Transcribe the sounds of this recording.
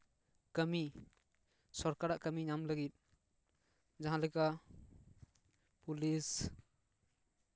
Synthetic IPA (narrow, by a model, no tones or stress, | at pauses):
kəmi | sɔɾkaɾaʔkəmiɲamləɡit̪̚ | d͡ʒaɦãlɛjka | pulis